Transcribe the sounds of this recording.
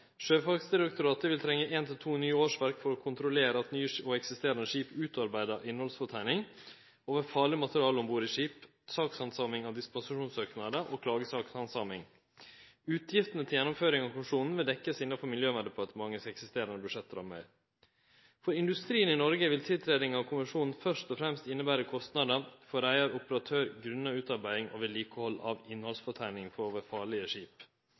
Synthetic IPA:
ʂøːfɑɡsd̪ɪɾɛkt̪ʊɾɑːt̪əʋɪlt̪ʰɾɛŋːəʔeːnt̪ʰɪlt̪ʰuːnyːəoːʂʋæɾkfɔɾɔːkʰʊnt̪ɾʊleːɾəɑt̪nyːəoɛksɪst̪eːɾənəʂiːpʉːt̪ɑɾbæɪd̪əʔɪnːhɔlsfɔt̪ʰæɪnɪŋ | oːʋəfɑːɭɪmɑt̪əɾɪɑːlɔmbuːɾiʂiːp | sɑːkshɑnsɑːmɪŋɑʋd̪ɪspɑnsɪʂuːnsøːknɑd̪əʔoːkʰlɑːɡəsɑːksɑnsɑːmɪŋ | ʉːt̪ʰjɪft̪ənət̪ʰɪljɛnʊmføːɾɪŋɑʋkʊmɪʂuːnn̩ʋɪld̪ɛkːəsɪnːɑfɔɾmɪljøːʋæd̪əpʰɔɑt̪mɑŋːəsɛksɪst̪eːɾɑnəbʉʂɛt̪ːəɾɔ̰mæ̰ɪɾ | fɔɾɪnd̪ʉst̪ɾiːənɪnɔɾɡəʋɪlt̪ʰɪlt̪ʰɾeːd̪ɪŋɑʋkʰʊmɪʂuːnn̩fœʂt̪ɔfɾɛmst̪ɪnːəbæːɾəkʰɔst̪nɑd̪əfɔɾæɪəɾʊpəɾɑt̪ʰøːɾɡɾʉnːɑʉːt̪ɑɾbæɪɪŋʔo̰ʋɪliːkəhɔlːɑ̰ʋɪnhɔlsfɔʈʰæɪnɪŋfɔɾoːʋəfɑːɭɪəʂiːp

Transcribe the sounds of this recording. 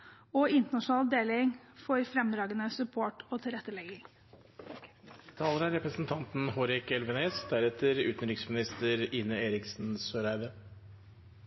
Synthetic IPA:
oːʔɪnt̪əɳɑʂnɑːld̪eːlɪŋ | fɔɾfɾɛmd̪ɾɑːɡənəsʉpʰoːʈoːt̪ʰɪlɾɛt̪ːəlɛɡɪŋ | t̪ʰɑːləɾæɾɛpɾəsn̩t̪ʰɑnt̪n̩hoːɾɪkɛlʋəneːsd̪æɾɛt̪ʰəɾʉːt̪nɾɪksmɪnɪst̪əɾiːnəeːɾɪksn̩søːɾæɪʋə

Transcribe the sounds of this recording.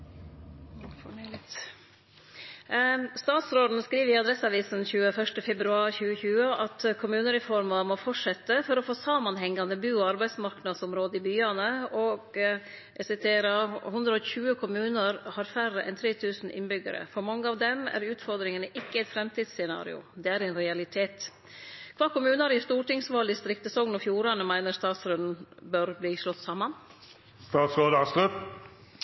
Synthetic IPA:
fɔɳ | st̪ɑːt̪sɾoːd̪n̩skɾiːʋəɾɪɑd̪ɾɛsɑʋiːsn̩çʉːəfœʂʈəfɛbɾʉɑːɾçʉːəçʉːəʔɑt̪kʰʊmʉːnəɾɛfɔɾmɑmɔfɔʂɛt̪ːəfɔɾɔfoːsɑmɑnɦɛŋːɑnd̪əbʉːɑɾbæɪsmɑɾknɑd̪sɔmɾoːd̪əɪbyːɑnəɔɡ | ɛsɪt̪ʰeːɾəhʊnd̪ɾəɔçʉːəkʰʊmʉːnəɾhɑɾfærəʔɛ̰nt̪ʰɾeːt̪ʰʉːsn̩ʔɪ̰nbʏɡə̰ɾə̰fɔɾmɑŋːəɑʋd̪ɛmæ̰ɾʉːt̪fɔɾd̪ɾɪŋənəʔɪkːəæɪt̪fɾɛmt̪ʰiːd̪ssɛnɑ̰ːɾɪ̰ʊ̰d̪ɛæɾɛɪnɾɛɑlɪt̪ʰeːt̪ | kʰʋɑːkʊmʉːnɑɾɪst̪uːʈɪŋsʋɑːld̪ɪst̪ɾɪkt̪əsɔŋnɔfjuːɾɑnəmæɪnəɾst̪ɑːt̪sɾʉnn̩bœɾbliːʂlɔt̪ːsɑmɑn | st̪ɑːt̪skoːd̪əɑslʉt̪

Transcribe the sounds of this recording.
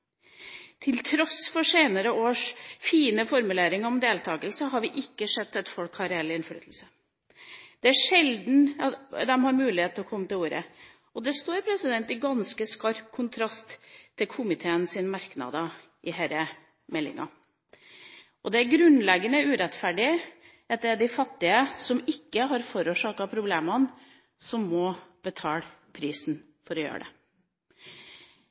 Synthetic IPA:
t̪ʰɪlt̪ʰɾɔsfɔʂeːnəɾəʔoːʂfiːnəfɔɾmʉleːɾɪŋɔmd̪eːlt̪ʰɑːɡəlsəɦɑɾʋɪʔɪkːəʂɛd̪ːɛt̪fɔlkhɑɾeːlɪɪnfɽy̰t̪l̩sə | d̪̥ɛæʂɛld̪n̩ɑd̪ɛmhɑɾmʉːlɪheːt̪lɔkʰɔmːət̪ɪluːɾə̰ | ɔd̪ɛst̪oːɾpʰɾɛsɪd̪ɛnt̪ɪɡɑnskəskɑɾkʰʊnt̪ʰɾɑst̪ʰːɪlkʰʊmɪt̪ʰeːənsɪnmɑɾknɑ̰d̪ɑ | ʔɪhæːɾə | mɛlːɪ̰ŋɑ̰ | ʔɔd̪ɛæɾɡɾʉnlɛɡənəʉːɾɛt̪fæɖɪ | ɛt̪̚d̪ɛɖ̪ɪfɑt̪ːɪəsɔmɪkːəɦɑɾfɔɾuːʂɑːkɑpʰɾʊbleːmɑn | sɔmːɔb̥ət̪ʰɑːlpʰɾiːsn | fɔɾɔjø̰ːɖɛ̰

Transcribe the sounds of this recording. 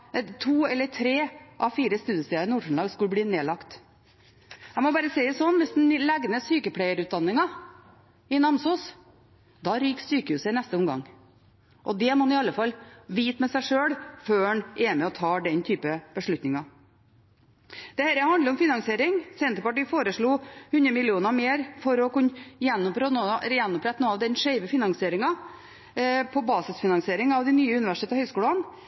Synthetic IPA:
t̪ʰuːɛlːəɾtʰɾeːʔɑʋfiːɾəst̪ʉːd̪jəst̪ɛːɑɾnuːʂɳ̩lɑːɡskʉləbliːneːlɑkt̪ | æɪmɔbɑːɾəsɛɪd̪ɛsɔnːʋɪsd̪nlɛɡnəsyːkəpʰɽɛɪəɾʉːt̪̚d̪ɑnːɪŋɑ | ɪnɑmsuːs | d̪ɑɾyːksyːkəhʉːsəɪnɛst̪əʊmɡɑ̰ŋ | ʔɔd̪ɛmɔɑnɪɑlːəfɑlʋiːt̪mɛsæɪʂøːɽføːnʔɛmɛɔt̪ʰɑːɖ̪ɛnt̪ʰyːpəb̥əʂɭʉt̪nɪŋɑ | d̪̥ɛhæːɾəhɑnd̪əɾɔmfɪnɑŋsɪeːɾɪŋsɛnt̪əɾpɑʈiːfoːɾəʂɭuːhʉnɾəmɪlɪuːnɑmeːɾfɔɾɔkʉnːjɛnːɔpɾɛjɛnːɔpʰɾɛt̪ːnoːɑʋd̪ɛnʂeɪʋəfɪnɑŋsɪeːɾɪŋɑ | pʰɔbɑːsɪsfɪnɑŋsɪeːɾɪŋɑʋd̪ɪnyːəʉnɪʋæʂɪ̥ʈʰeːt̪əhœʏskuːɽɑn

